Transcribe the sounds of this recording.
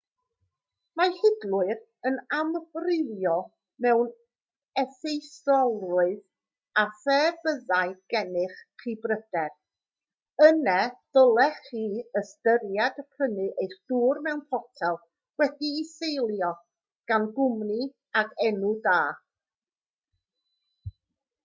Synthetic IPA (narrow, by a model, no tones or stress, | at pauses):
mahɪdlˠʊɨɾ | ənamvrɪvjɔ | mɛwn | ɛsejsɔlˠrʊɨð | asɛːbəðaɨɡ̥ɛnɨχχiːbrəd̥ɛr | ənɛð̥ɔlˠɛχiːəstəɾjadpʰənɨʔejθd̥uːrmɛwnpʰɔtʰɛlˠ | wɛdiːsejlˠjɔ | ɡ̥anɡʊmni | akʰɛnudaː